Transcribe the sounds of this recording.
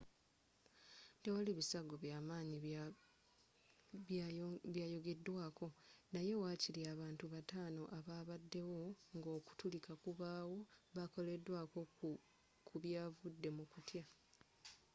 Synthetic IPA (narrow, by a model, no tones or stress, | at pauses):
te̞waliβisaɡo̞βjaːmaːɲi | βjaːjo̞ɡe̞dːwaːko̞naje̞waːciliaβaːntuβataːno̞ʔaβaːβadːe̞wo̞ŋɡo̞ːku̥tulikakuβaːwo̞βako̞le̞dːwaːko̞ | kʰuβjaːvudːe̞mukutja